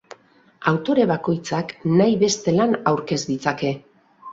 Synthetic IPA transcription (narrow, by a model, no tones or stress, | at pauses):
awt̪o̞ɾe̞βako̞jt͡saknajβe̞st̪e̞lanawɾke̞zd̪it͡sake̞